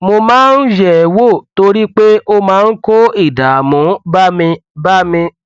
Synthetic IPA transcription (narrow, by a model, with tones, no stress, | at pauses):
mo˧mãː˦n̩˦ʃɛ˦˨wo˦˨to˧ɾi˦k͡pe˦ʔo˧mãː˨˦˧n̩˦ko˦i˦˨da˨mũ˨˦ba˦mĩ˧ba˦mĩ˧